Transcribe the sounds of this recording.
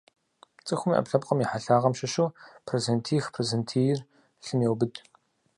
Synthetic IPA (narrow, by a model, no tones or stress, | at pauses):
t͡sʼɨxʷʊmḭʔɐ̰pɬɐp̚qʼɐmjiħaɬaːʁɐmʃɐʃuwpʰrezentʰiːxpʰrezentʰiːjɪr | ɬɨmjɛwbɨdʰ